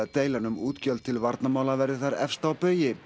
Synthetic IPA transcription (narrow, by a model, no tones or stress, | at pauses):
at̪eːjlanʏmuːt̪cœlt̪t̪ʰɪlvaɾt̪namaːwlavɛɾðɪθaɾɛ̰fst̪awpœːɥjɪ